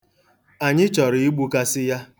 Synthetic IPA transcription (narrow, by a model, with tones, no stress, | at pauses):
a˨ɲɪ˦t͡ʃɔ˨ɾɪ˨i˦ɡ͡bu˦ka˦sɪ˦ja˦